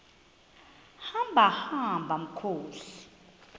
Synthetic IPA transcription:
hambʱahambʱam̩kʰoːsi̥

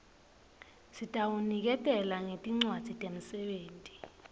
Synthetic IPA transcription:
sitʼawunik̬ɛtʼɛlaŋetʼiŋ͡ǀwad̥z̥ʱitʼemusɛɓeːntʼi̥

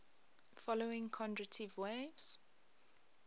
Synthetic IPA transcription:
fɔloɪ̃ŋkʰɔ̃ndɹətʰivwevz̥

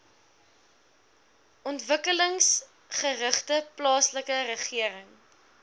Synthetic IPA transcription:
ʔɔntvəkələŋs | χərəχtəplɑːsləkərəχiəɾəŋ

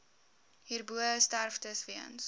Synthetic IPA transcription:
hiːrbuəəstærftəsviə̰ns

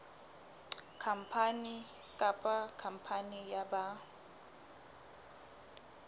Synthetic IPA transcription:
kʰam̩pʰani | kʼapʼakʰam̩pʰanijaba

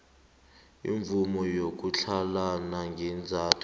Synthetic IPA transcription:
ḭɱvumɔjok̬ʼut͡ɬʰalanaŋɡʱɛnd͡zʱaːtʰʼɔ̥

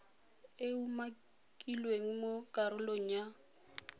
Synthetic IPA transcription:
euma | kʼilweŋ̩mokʼaɾʊloŋ̩ja

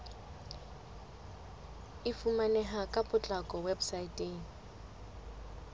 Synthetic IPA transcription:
ɪfumanɛɦakʼapʼʊt͡ɬʼakʼɔwebsaitʼeːŋ̩

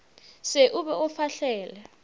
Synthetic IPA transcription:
seʔuɓɛɔfaɬɛːlɛ

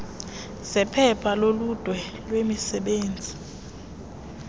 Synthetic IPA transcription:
z̥ɛpʰɛpʰalolud̥ʱwɛlwemisɛɓeːnd͡zʱi

